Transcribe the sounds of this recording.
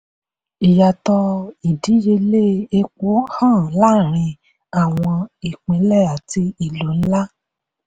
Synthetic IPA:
i˨ja˨tɔ˧i˨dĩ˨˦je˧le˦˨e˧k͡po˨˦hã˦˨˦la˦˨ɾ̃ĩ˧ | a˨w̃ɔ̃˧i˨k͡pĩ˨˧˦lɛ˦˨a˨ti˧i˨lo˨˦n̩˦la˦

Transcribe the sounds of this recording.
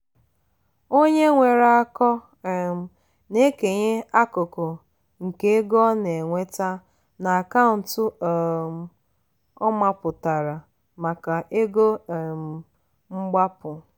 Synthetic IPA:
o˦ɲe˦ŋʷe˨ɾa˨a˦kɔ˦˨ | m˨ | ne˦ke˨ɲe˦a˦kʊ˨ko˨ | ŋ̩˨ke˦e˦ɡɔ˦ne˨ŋʷe˦ta˦ | na˨ka˦ʊ˨n˨n̩˨tʊ˦˨ | ɔ˦ma˦pʊ˨ta˨ɾa˨ | ma˨ka˨ʔe˦ɡo˦˨m˨ | ŋ͡m̩˦ɡ͡ba˦pʊ˨

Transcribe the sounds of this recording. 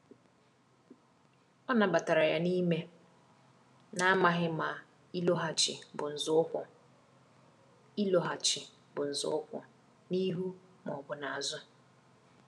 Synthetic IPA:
ɔ˦na˨ba˨ta˨ɾa˨ja˦ni˦me˦ | na˦a˦ma˨ɣɪ˦ma˨ | i˦lo˦ɦa˨t͡ʃɪ˨bʊ˨n̩˨zʊ˦ʊ˦kʷʊ˨ | i˦lo˦ɦa˨t͡ʃɪ˨ | bʊ˨n̩˨zʊ̰˦ʊ˦kʷʊ̰˨ | ni˦ɦu˦mɔ˨bʊ˦na˨a˨zʊ˦

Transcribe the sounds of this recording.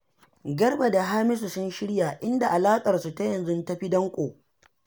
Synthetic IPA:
ɡɐ˦rba˨da˨ɦaː˦mɪ˦s̬u˨sʊ˦nʃɪ˦ɽja˨ʔɪ˦nda˨ʔa˨laː˦kʼɐ˨rsu˨ta˦jɐ˨nzʊ˦ntɐ˦ɸi˦dɐ˦ŋkʷʼoː˨

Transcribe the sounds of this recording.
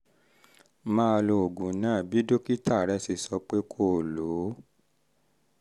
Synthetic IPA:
mãː˦˧lo˧o˨ɡũ˨˦nãː˦˨bi˨˦do˦ki˦tʰa˦˨ɾɛ˧˦si˧sɔ˧k͡pe˦kʰo˦˨lo˨˦

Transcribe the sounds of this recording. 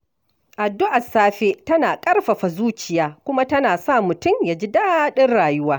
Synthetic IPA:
ʔa˨dːʊ˦ʔa˨sːaː˦ɸe˦tɐ˦naː˨kʼɐ˦rɸa˨ɸa˨zuː˦t͡ʃɪ˨jaː˨kʷʊ˦ma˦tɐ˦naː˨sa˦˨mʊ˨tʊ˦˨mjaː˨d͡ʒi˦daː˦ɗɪ˦nɽaː˨jʊ˦waː˦

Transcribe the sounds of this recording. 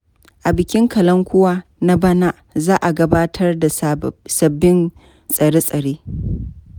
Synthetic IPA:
ʔa˨bɪ˨kʲɪ˦ŋkɐ˨lɐ˦ŋkʷʊ˦waː˦na˦bɐ˦na˦ʔzaː˦ʔa˨ɡɐ˦baː˦tʰɐ˦rda˨sɐ˨bːɪ˦n | sʼɐ˨ɾeː˦sʼɐ˨ɽeː˦

